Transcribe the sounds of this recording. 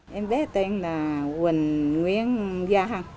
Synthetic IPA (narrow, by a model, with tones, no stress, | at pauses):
ʔɛ˧mɓɛ˦t̪e˧ŋlaː˨˩ɣwə˨˩nŋwi˧ənɣaː˧ɦa˧˩ŋ